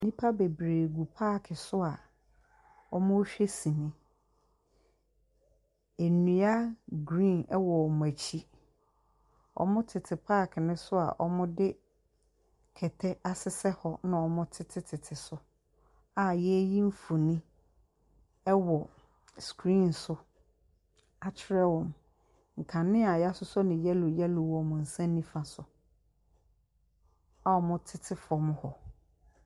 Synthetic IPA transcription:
nĩ˦pʰa˦be˨bɾeː˨ɡu˨pʰa˦˨kʰɪ˨sʊ˦a˨ | ɔ˦mʊ̃˦ɕᶣe˦sĩ˨nĩ˦ | e˨nũ˨a˦ɡɾĩ˦˨nɛ˦wɔ˨ɔ˨mʊ̃˨æ˨t͡ɕʰi˦ | ɔ̰˨mʊ̃˦tʰɪ˨tʰɪ˨pʰaː˦˨kʰɪ˨nɪ̃˦sʊ˦a̰˨ʔɔ̰˦mʊ̃˦dɪ˦ | kʰɛ˨tʰɛ˦a˨sɪ˦sɛ˦hɔ˦nʊ̃˦ɔ˨mʊ̃˦tʰɪ˦tʰɪ˦tʰɪ˨tʰɪ˨sʊ˦ | a˨jɛ˦ji˦m̩˦fʊ˨nĩ˦ | ɛ˦wɔ˨ | skɾĩ˦˨n˨sʊ˦ | a˨t͡ɕʰɪ˦ɾɛ˦wɔ̃˨m | ŋ̩˨kʰã˨nːɪ̃˦a˨ja˦sʊ˦sʊ˦nɪ̃˨jɛ˦lʊ˨jɛ˦lʊ˨wɔ˨mʊ̃˨n̩˨sã˦n˦nːĩ˦fã˨sʊ˨ | a˨ɔ˨mʊ̃˦tʰɪ˦tʰɪ˦fɔ˨m˦hɔ˨

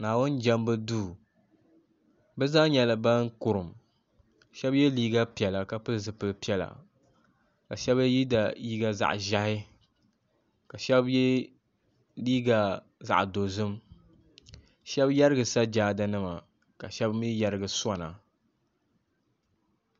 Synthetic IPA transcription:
naː˨wʊ˦nd͡ʒɛ˦mbɨ˦duː˦ | bɛ˦zaː˦ɲɛ˨lɨ˨ba˦ŋ˦kʊ˨ɾɨ˨m | ʃɛ˦bjɛ˦liː˦ɡa˦pi˨ɛ˨la˨ka˨pɨ˦lzɨ˨pɨ˦lpi˦ɛ˨la̰˨ | ka˨ʃɛ˦bji˦da˨ji˦ɡa˦za̰˨ʔʒa˦hɪ˦ | ka˨ʃɛ˦bjɛ˦ | liː˦ɡa˨ | za̰˨ʔdo˨zɨ˦m | ʃɛ˦bjɛ˦ɾɨ˦ɡɨ˨sa˦d͡ʒaː˦da˦nɨ˦ma˨ | ka˨ʃɛ˦bmi˦jɛ˨ɾɨ˦ɡɨ˨sa˦na˨

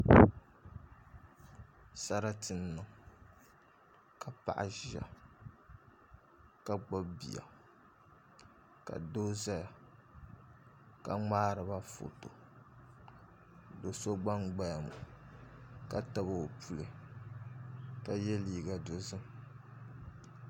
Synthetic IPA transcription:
sa˦ɾa˦tɨ˨nː˦ɨ˨ŋ | ka˨pa̰˨ʔa̰˨ʒa̰˨ | ka˦ɡ͡bo˦bbḭ˨a̰˨ | ka̰˨do˦za˦ja˨ | ka˦ŋ͡maː˦ɾɨ˨ba˦fo̰˨to̰˨ | do˨so˦ɡ͡ba˦ŋɡ͡ba˦ja˨mo˨ | ka˦ta˦ba˦˨o˨pʰu˦lɨ˨ | ka˦jɛ˦liː˦ɡa˨do˨zɨ˦m

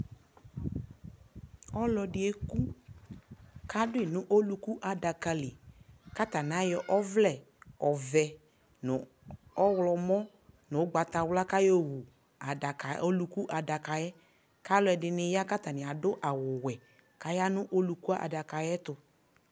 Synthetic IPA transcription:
ɔ˦lɔ˨dɪ˨ɛ˦ku˦ | ka˦dʊ˦ɪ˨nʊ̃˦ʔo˦lu˨ku˦ʔa˨da˨ka˨lɪ˨ka˦t̪a˨n˨a˨˦jɔ˨ʔɔ˦vlɛ˨ | ɔ˨vɛ˨ | nʊ˨ | ɔ˦wlɔ˨mɔ˦ | nʊ̃˨˦ɡ͡ba˨t̪a˨wla˦ka˦jo˦wu˨ | a˨da˨ka˨o˦lu˨ku˦ʔa˨da˨ka˨jɛ˦ | ka˦lɔ˦ɛ˨dɪ˨nɪ˨ja˦ka˦t̪a˨nɪ˨a˨dʊ˦ʔa˨wʊ˨wɛ˨ | ka˨ja˦nʊ̃˦ʔo˦lu˨ku˦a˦ʔa̰˨da˨ka˨jɛ˦t̪ʊ˨

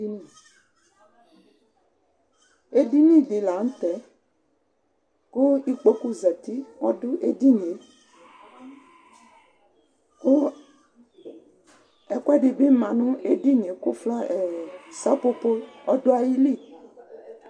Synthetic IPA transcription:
i˦nĩ˨ | e˦di˦nĩ˦di˨la˨ŋ̩˦t̪ɛ˨˦ | ku˦i˦k͡po˦ku˦zɛ˨t̪i˦wɔ˦dʊ˦ʔe˦di˦ɲe˨ | ku˦ | ɛ˨kʷɛ˦ɖi˨bi˦mã˨nũ˦e˦di˦ɲ˨e˨ku˦flɔ˦e˨sa˦po˦po˦ɔ˦do˦a˨ji˦li˦˨

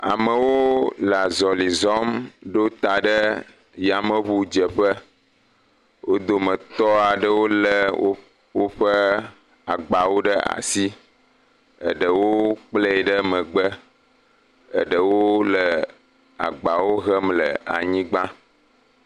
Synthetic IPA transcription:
a̰˨mə˨wo˦la˨zɔ˨li˨zɔ˦mɖo˦t̪a˨ɖə˦ | ja˨mə̃˨βu˦d͡ʒə˨ɸə˦ | wʔo˦d̪o˨mə̃˨t̪ɔ˦a˨ɖə˦wo˦lə˨o˦ | wo˦ɸə˦ | a˨ɡ͡ba˨wo˦ɖə˦a̰˨si˦ | ə̰˨ɖə˨wo˦k͡plə˦ɛ˨ɖə˦mə̃˨ɡ͡bə˦ | ə̰˨ɖə˨wo˦lə˨ | a̰˨ɡ͡ba˨wo˦ɣə˦mlə̰˨a̰˨ɲĩ˦ɡ͡ba˦

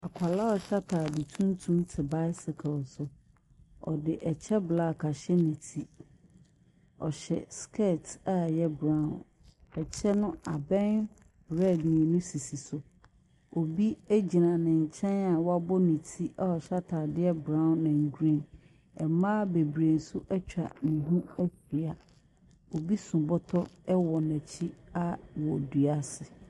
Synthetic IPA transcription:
a˨kʷʰa˨la˦ɔ˨ɕa˦tʰaː˨dɪ˨tʰũ˦ntʰũ˦ntʰɪ˨ba˦ɪ˦sɪ˨kʰɛ˨lsʊ˨ | ɔ̰˨dɪ˨ʔɛ˨t͡ɕʰɛ˦bla˦˨kʰa˨ɕɛ˦nĩ˨tʰi˦ | ɔ˨ɕɛ̰˨skʰe˦˨ta˦jɛ˦bɾã˦˨n | ɛ˨t͡ɕʰɛ˦nʊ̃˦a˨bɛ̃˦n | ɾɛ˦˨dnĩ˨nʊ̃˦si˨si˨sʊ˨ | o˨bi˦æ˦d͡ʑi˨nã˨nɪ̃˨ɲ̩˨t͡ɕʰɛ̃˦na˨wa˦bɔ˦nĩ˨tʰi˦ʔa˦ɔ˨ɕa˦tʰaː˨dɪ˦ɛ˦bɾã˦˨˦nã˨ŋ˨ɡu˨ɾẽ˦˨n | ɛ˨mãː˦be˨bɾe˨n̩˨sʊ˦ʔɛ˦t͡ɕᶣa̰˨nĩ˨ɦũ˦ɛ˦fi˨a˨ | o˨bi˦sʊ̃˨bɔ˦tʰɔ˦ɛ˦wɔ˨nɛ̃˨t͡ɕʰi˦a˦wɔ˨du˨a˦sɪ˨

